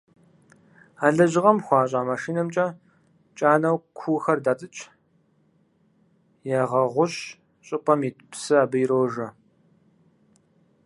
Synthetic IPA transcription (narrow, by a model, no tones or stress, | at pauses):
aːɮɐʑɪʁɐmxʷɑːɕʼaːmaʃiːnɐmt͡ʃʼɐ | t͡ʃʼaːnɐwkʷʰuːxɐrdaːt͡sʼɨt͡ʃʼ | jaːʁɐʁʷʊɕ | ɕʼɪpʼɐmitpsɨaːbɨjɪɾoːʒɐ